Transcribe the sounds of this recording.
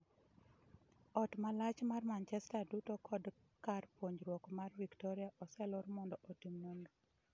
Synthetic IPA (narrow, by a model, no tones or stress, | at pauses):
ɔtmalat͡ʃmarmant͡ʃɛstadutokʰɔd | karpwoɲɾwɔkmarviktɔɾiaʔɔsɛlɔɾmɔndɔʔotimːonɡo